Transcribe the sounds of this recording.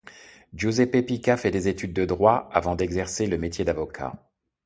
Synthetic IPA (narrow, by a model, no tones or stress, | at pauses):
ʒozepepikafɛd̪ezet̪yd̪̚ːəd̪ʁwaavɑ̃d̪ɛɡzɛʁseləmet̪ʰjed̪avɔkʰa̰